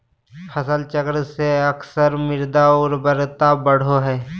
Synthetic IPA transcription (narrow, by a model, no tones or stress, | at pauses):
hʰəsəlt͡ʃəkɾseəksəɾmɪɾd̪aɔːɾbəɾt̪abəɽ̤oɦɛː